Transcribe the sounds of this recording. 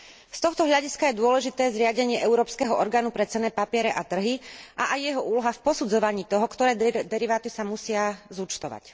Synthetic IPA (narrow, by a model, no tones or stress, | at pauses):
st̪ɔxt̪ɔɦʎaɟiskajɛd̪ʊɔlɛʒit̪ɛːzɾɪaɟɛɲɪɛʔɛʊɾɔːpskɛɦɔʔɔɾɡaːnupɾɛt͡sɛnɛːpapɪɛɾɛʔat̪r̩ɦiʔaʔajːɛɦɔʔuːlɔɦafpɔsud͡zɔʋaɲiːt̪ɔɦɔkt̪ɔɾɛːd̪ɛɾiʋaːt̪isamusɪazut͡ʃt̪ɔʋa̰c